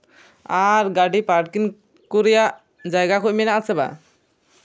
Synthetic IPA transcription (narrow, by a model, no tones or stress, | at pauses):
aɾɡaɖipaɾʈkin | kuɾɛjaʔ | d͡ʒajɡakuc̚mɛnaʔasɛba̰